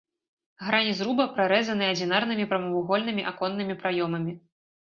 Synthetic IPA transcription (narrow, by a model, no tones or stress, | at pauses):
ɣɾanʲizɾubɐpɾaɾɛzɐnɨɐd͡zʲinarnɨmʲipɾɐmɐvuɣɔlʲnɨmʲiʔakɔnːɨmʲipɾajɔmɐmʲi